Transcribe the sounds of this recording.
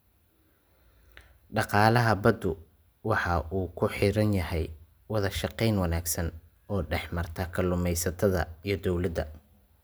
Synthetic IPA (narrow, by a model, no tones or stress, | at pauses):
ɖɑqɑːlɐɦɐbɐd̪ʊ | wɑħɑʔuːkʰʊħiɾɐnjɐɦɛj | wɑðɐʃɑqɛjnwɑnaːɡsɐn | ɔːɖɛħmɐrt̪ʰɐkʰɐlʊmɛjsɐt̪ʰɐðɐ̰ijɞd̪ɔwlɐd̪ɐ̰